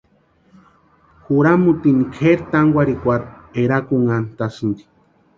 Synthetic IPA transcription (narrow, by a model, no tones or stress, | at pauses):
xuɾamut̪inikʰeɾt̪aŋɡʷaɾikʷaɾeɾakuŋant̪asɨnd̪i̥